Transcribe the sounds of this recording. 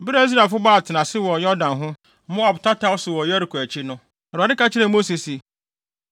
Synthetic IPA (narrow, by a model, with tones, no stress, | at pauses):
bɪ˦ɾa˨i˦s̬ɾa˨fʊ˦baː˦˨tʰɪ˨nã˨sɪ˦wɔ˨jɔ˦dã˨nɦʊ̃˦ | mʊ̃˦a˨btʰa˦tʰa˦wʊ˦sʊ˨wɔ˨jɔ˦ɾi˨kʰu˨æ˨t͡ɕʰi˦nʊ̃˦ | ɛ˨ɾa˨ɪ̃˦ka˦t͡ɕʰɪ˦ɾɛ˨mo˦si˨si˨